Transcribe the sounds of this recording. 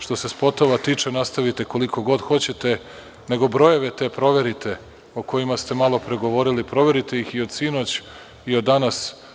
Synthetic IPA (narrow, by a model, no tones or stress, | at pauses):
ʃt̪o̞se̞spo̞t̪o̞ʋat̪iːt͡ʂenast̪aʋit̪e̞ko̞liko̞ɡo̞d̪xo̞t͡ɕe̞t̪e̞ | ne̞ɡo̞bɾo̞je̞ʋet̪e̞pɾo̞ʋe̞ɾit̪ʰe̞ | oko̞jimast̪e̞malo̞pɾeɡoʋo̞ɾilipɾo̞ʋe̞ɾit̪e̞jixio̞d̪sino̞t͡ɕ | iod̪ːanas